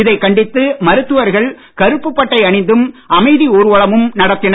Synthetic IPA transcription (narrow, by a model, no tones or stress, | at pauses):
ɪðɐɪkːɐɳɖɪt̪ːɯmɐɾɯt̪ːɯʋɐɾɣɐɭ | kɐɾɯpːɯpːɐʈːɐɪɐɳɪnd̪ɯmɐmɐɪðioːɾɯʋɐɭɐmɯmnɐɽɐt̪ːɪn